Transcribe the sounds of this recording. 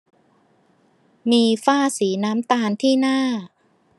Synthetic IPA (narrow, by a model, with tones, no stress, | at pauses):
miː˧faː˥˩siː˩˦naː˦˥mt̪aː˧nt̪ʰiː˥˩naː˥˩